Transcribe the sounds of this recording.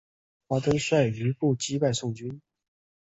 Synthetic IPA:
pɑ˥t̪ə˥nswa˥˩ɪy˧˥pu˥˩t͡ɕi˥pa˥˧ɪsʊ˥˩ŋt͡ɕy˥n

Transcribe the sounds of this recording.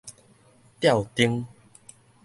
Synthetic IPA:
t̪ja˥˨wt̪i˦ŋ

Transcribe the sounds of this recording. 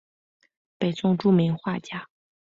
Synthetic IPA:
pe˨˩ɪt͡sʊ˥ŋʈ͡ʂu˥˩mi˧˥ŋxwa˥˩t͡ɕja˥˩

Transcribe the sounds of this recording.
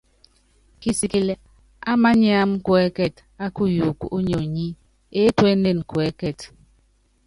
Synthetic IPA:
ki˦si˨ki˦le˦ | a˦ma˦ɲ˦a˦m˦kwɛ˦kɛ˦˨t | a˦ku˦ju˨kṵ˦ɲo˨ɲi˦ | e˦twe˦n˦de˨n˨kwɛ˨˦kɛ˦˨t

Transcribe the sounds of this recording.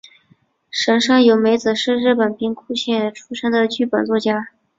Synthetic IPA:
ʂə˧˥ŋʂɑ˥˩ŋjo˧˩ʊme˧˥ɪt͡sɹ̩˨˩ʂɻ̩˥˧ɻɻ̩˥˩pə˨˩npi˥˧ŋkʰu˥ɕjɛ˥˩nʈ͡ʂʰu˥ʂɤ˥ŋd̪ə˨t͡ɕy˥˩pə˨˩nt͡swɔ˥˩t͡ɕja˥

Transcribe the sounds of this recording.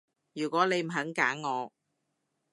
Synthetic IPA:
jyː˨˩kʷɔː˨˥nle˨˧jm̩˨˩ɦɐ˨˥ŋkaː˨˥ŋːɔː˨˧

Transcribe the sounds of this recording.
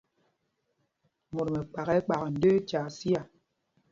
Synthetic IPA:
mo˨ɾme˨k͡pa˨ɣɛ˦k͡pa˨ɣn̩˨˦də˦t͡ʃa˨si˦a˨

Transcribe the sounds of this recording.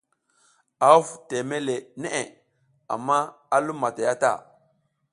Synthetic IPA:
a˨u˦fte˨me˦le˨ne˦ʔe˨ | a̰˨mːa˦a˦lu˦mːa˨ta˨ja˦ta̰˦˨

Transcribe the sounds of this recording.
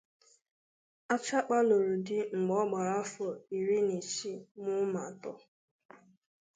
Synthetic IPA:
a˦t͡ʃa˦k͡pa˦lo˨ɾu˨dɪ˦ŋ͡m̩˨ɡ͡bɔ˦ɡ͡ba˨ɾa˦fɔ˨i˨ɾi˦ni˨t͡ʃi˦mʊ˦ma˨tɔ˦

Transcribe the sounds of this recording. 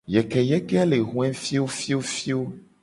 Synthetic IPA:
jɛ˨kɛ˨jɛ˦kɛ˦a˦le˨ɦũ˨˦ɛ̃˦fi˦wo˦fi˦o˦fi˦o˦

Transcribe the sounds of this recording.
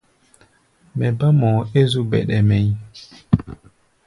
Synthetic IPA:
mɛ˨ba˦mɔ˨e˦zu˦bɛ̰˨ɗɛ˨mɛ˨ɲ˦

